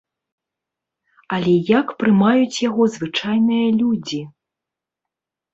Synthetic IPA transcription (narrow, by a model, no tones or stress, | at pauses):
ɐlʲɛjakpɾɨmajut͡sʲjaɣɔzvɨt͡ʂajnɨjɐlʲud͡zʲi